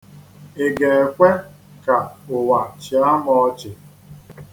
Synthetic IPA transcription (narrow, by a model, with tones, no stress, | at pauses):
e˨ɡe˨e˨kʷe˦ | ka˨ʊ˨wa˨t͡ʃi˨a˦mɔ˦t͡ʃɪ˨